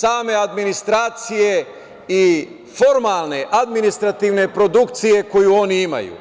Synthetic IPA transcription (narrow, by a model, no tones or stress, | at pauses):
saːme̞ad̪minist̪ɾaːt̪sije̞ | i | fo̞ɾmaːlˠne̞ʔad̪minist̪ɾat̪iʋne̞pɾo̞d̪ukt̪sije̞ko̞juo̞niima̰jṵ